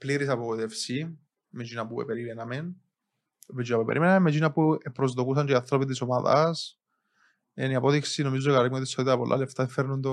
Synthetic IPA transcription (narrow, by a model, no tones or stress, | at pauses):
pliɾisɐpokot̪efsi | med͡ʒinɐpuḛpeɾimenɐmen | med͡ʒinɐpuepeɾʔimenɐmemːed͡ʒinɐpuepɾo̞zðo̞kusɐntoiɐθɾopit̪isomaðɐ̰s | eniɐpo̞ðiksino̞mizokɐɾimeot̪ist̪oit̪eɾɐpolʔa̰left̪ɐfeɾnund̪o